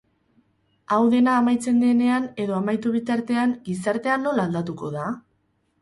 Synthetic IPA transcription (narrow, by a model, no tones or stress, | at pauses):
awðe̞naːmajt͡se̞nd̪e̞ne̞ane̞ðo̞amajt̪uβ̞it̪aɾt̪e̞aŋɡisaɾt̪e̞anːo̞laːld̪at̪uko̞ða